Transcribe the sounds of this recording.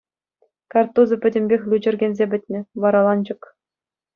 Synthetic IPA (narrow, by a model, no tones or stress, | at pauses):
kɑrt̪uzɤ̆pʲɘ̆dʲɘ̆mʲbʲexʲlʲud͡ʑɘ̆rʲɡʲenʲzʲebʲɘ̆tʲnʲɘ̆ʋɑɾɑlˠɑnd͡ʑɤ̆k